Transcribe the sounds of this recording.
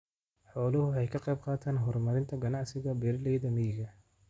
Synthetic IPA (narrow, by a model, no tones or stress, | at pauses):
ħɔːlʊhʊɛjkʰɑqɑjb̚qɑːt̪ʰaːnɦɔrmɐɾɪnt̪ʰɐɡɐnɑʕsɪɣɐbɛrlɛjðɐmɪjɪɣɐ